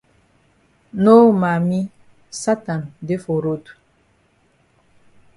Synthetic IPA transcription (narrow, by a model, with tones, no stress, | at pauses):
no˦ma˨mi˦ | sa˦ta˨nde˦fo˨ɾo˦tu̥˨